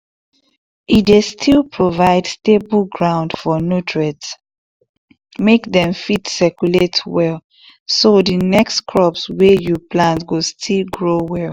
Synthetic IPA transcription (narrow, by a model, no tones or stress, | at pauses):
idestʰilpʰɹovaɪdstebəlɡɹãʊ̃ndfɔnotʰɹɛts | mekdɛ̃mfitsɛkjuletwɛl | sodənɛkstkʰɹɔpswɛjuplãntɡostʰilɡɹowɛlˠ